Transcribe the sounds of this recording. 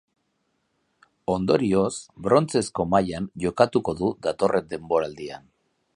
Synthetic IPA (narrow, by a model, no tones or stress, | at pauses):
o̞nd̪o̞ɾio̞sbɾo̞nt͡se̞sko̞majanʝo̞kat̪uko̞ðuðat̪o̞rʔe̞nd̪e̞mbo̞ɾald̪ian